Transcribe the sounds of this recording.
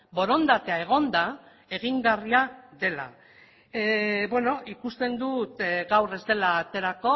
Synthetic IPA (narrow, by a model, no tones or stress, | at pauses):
bo̞ɾo̞nd̪at̪eae̞ɣ̞o̞nd̪a | e̞ɣ̞iŋɡariaðe̞la̰ | bwe̞no̞ikust̪e̞nd̪ut̪ɣawre̞zd̪e̞laːt̪e̞ɾako̞